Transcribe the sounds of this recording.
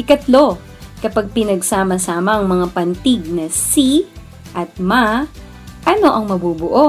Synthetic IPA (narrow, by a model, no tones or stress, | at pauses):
ɪkɐt̪lo̞ | kɐpaɡ̚pɪnɐɡsaːmɐsaːmɐʔɐŋmɐŋapɐnt̪ɪɡ̚nɐsi | ʔɐt̪̚ma | ʔɐno̞ʔɐŋmɐbuːbʊʔo̞